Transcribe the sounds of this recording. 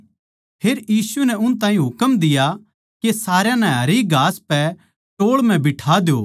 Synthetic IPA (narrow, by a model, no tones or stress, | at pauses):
pʰeːɾjiːsunɛʊnt̪̬ãːĩɦʊkəmd̪ɪja | kesaːɾejãnɛ̃ɦɐɾiːɡʱaːspɛ | ʈoːɭmɛ̃bɪʈʰaːd̪joː